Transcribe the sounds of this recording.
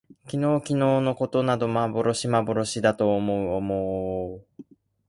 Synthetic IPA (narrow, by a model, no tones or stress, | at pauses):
kʲino̞ːkʲino̞ːno̞ko̞t̪o̞nad̪o̞mabo̞ɾo̞ɕimabo̞ɾo̞ɕid̪at̪o̞ːmo̞ɯ̟omo